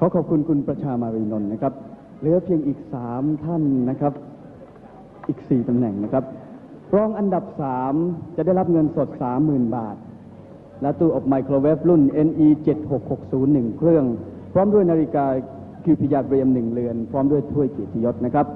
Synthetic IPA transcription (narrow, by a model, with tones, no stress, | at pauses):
kʰɔː˨˦kʰɔː˨˩p̚kʰu˧nkʰu˧npɾa˧t͡ɕʰaː˧maː˧ɾiː˧no˧nːa˦˥kʰa˦˥p̚ | lɯ˩˦əpʰi˧əŋʔiː˨˩k̚saː˩˦mt̪ʰa˥˩nːa˦˥kʰɾa˦˥p̚ | ʔiː˨˩k̚siː˨˩t̪a˧mnɛ˨˩ŋna˦˥kʰɾa˦˥p̚ | ɾɔː˦˥˩ŋʔa˧nda˨˩p̚saː˩˦mt͡ɕa˨˩da˥˩jla˦˥p̚ŋɤ˧nso˨˩t̪̚saː˩˦mːɯː˨˩nbaː˨˩t̪̚ | lɛ˦˥t̪u˧˩ʔɔː˨˩p̚maː˧jkʰɾoː˧weː˦˥p̚lu˥˩nʔe˧nʔiː˧t͡ɕe˨˩t̪̚ho˨˩k̚ho˨˩k̚suː˩˦nːɯ˨˩ŋkʰɾɯ˥˩əŋpʰɾɔː˦˥mdu˥˩əjnaː˧li˦˥kaː˧ | kʰɯː˧˩pʰiː˨˧˩jaː˧k̚ɾi˧əmnɯ˨˩ŋlɯ˧ənpʰɾɔː˦˥mdu˥˩əjt̪ʰu˥˩əjkeː˨˩t̪̚t̪ʰi˧jo˦˥t̪̚na˦˥kʰɾa˦˥p̚